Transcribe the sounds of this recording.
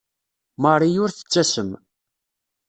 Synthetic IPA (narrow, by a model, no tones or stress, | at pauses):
məˤijʊɾθə̥t͡sːæsəm